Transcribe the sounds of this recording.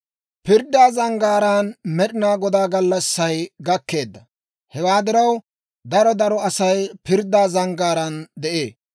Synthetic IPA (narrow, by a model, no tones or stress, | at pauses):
pɪɾd̪ːaːzɐŋɡaːɾaːnmɛɗɪnaːɡɔd̪aːɡɐlːɐsːɐjɡɐkːe̞ːd̪ːɐ | hɛwaːd̪ɪɾɐw | d̪ɐɾɔd̪ɐɾɔɐsɐjpɪɾd̪aːzɐŋɡaːɾɐnd̪ɛʔḛː